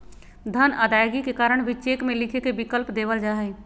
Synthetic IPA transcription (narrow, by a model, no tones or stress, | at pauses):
d̪ʱənəd̪aːjɡikekaːɾəɳ̃bʱit͡ʃeːkmẽlɪkʰekebɪkəlpd̪eːʋəld͡ʒaːɦɛ